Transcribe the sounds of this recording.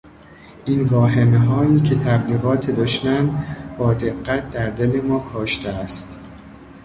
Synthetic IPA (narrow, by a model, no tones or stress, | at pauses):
ʔinvɒːɦemeɦɒːiːcʰe̞t̪ʰæbliːɣɒːt̪ʰe̞d̪oʃmænbɒːd̪e̞ɢːæt̪̚ʰd̪æɾd̪e̞le̞mɒːkʰɔːʃt̪ʰeæst̪